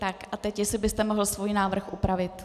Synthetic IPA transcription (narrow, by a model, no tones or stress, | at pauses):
t̪akʔat̪ɛcjɛsɪbɪst̪ɛmo̞ɦl̩svujnaːvr̩xʔupɾavɪt̪